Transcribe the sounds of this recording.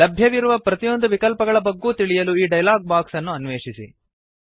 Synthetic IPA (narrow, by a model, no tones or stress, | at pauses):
lɐbʱjɐʋiɾuʋɐpɾɐt̪ijo̞nd̪uʋikɐlpɐɡɐɭɐbɐɡːuːt̪iɭijɐluiːɖɐjlaːɡ̚baːksɐnːuɐnʋeːʂisḭ